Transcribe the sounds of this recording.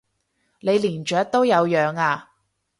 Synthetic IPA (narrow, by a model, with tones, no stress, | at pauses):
ne˨˧jliː˨˩nt͡ʃœː˨˥k̚t̪o˥wjɐ˨˧wjœː˨˧ŋaː˧